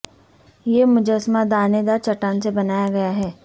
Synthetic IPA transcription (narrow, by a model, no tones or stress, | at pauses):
jeːmʊd͡ʒəsmad̪aːned̪aːɾt͡ʃɐʈaːnsebɐnaːjaɡɐjaɦɛː